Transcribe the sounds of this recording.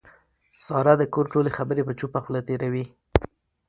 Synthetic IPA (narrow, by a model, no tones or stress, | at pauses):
sɑɾad̪əkoɾʈolexabəɾepət͡ʃupaxulat̪eɾawi